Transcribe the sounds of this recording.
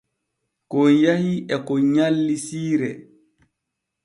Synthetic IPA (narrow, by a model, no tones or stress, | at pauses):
kɔnjahiɛkɔɲalːisiːɾɛ̰